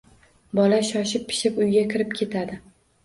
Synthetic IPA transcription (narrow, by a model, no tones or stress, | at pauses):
bɒlaʃɒʃɪpʰːɪ̥ʃɪpʊjɡʲakʲʰɪɾɪp̚kʲʰe̞t̪ʰad̪ɪ